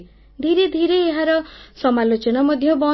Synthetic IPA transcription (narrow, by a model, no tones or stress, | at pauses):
d̪ʱiɾed̪ʱiɾeːɦaɾɔsɔmalot͡ʃɔnɔmɔd̪ʱjɔbɔ